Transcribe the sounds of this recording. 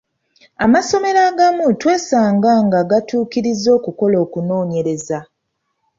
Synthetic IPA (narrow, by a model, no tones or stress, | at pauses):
amaso̞me̞ɾaːɡamutwe̞ːsaːŋɡaŋɡaɡatuːkiɾizːo̞ːkuko̞lo̞ːkuno̞ːɲe̞ɾe̞za